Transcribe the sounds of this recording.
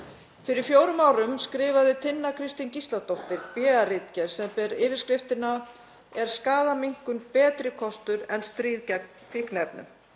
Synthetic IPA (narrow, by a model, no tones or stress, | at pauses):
fɪɾɪɾ̥fjoːwɾʏmaːwɾʏmskɾɪːvaðɪt̪ʰɪnːakʰɾɪst̪incist̪lat̪ɔht̪ɪɾpjɛːarɪt̪cɛɾ̥sɛmpɛɾɪːvɪɾskɾɪft̪ɪna | ɛɾ̥skaːðamiŋ̥kʏnpɛːt̪ɾɪkʰɔst̪ʏɾɛnst̪ɾiːðcɛk̚n | fɪhknɛpnʏ̰m